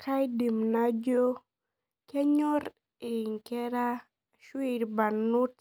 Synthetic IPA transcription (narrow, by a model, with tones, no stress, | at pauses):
kʰa˦jdi˨mna˦d͡ʒo˦ | kɛ˦ɲɔ˦ɾ | i˨ŋkɛ˦ɾa˦ | ʃwi˨ɾba˨nu˦t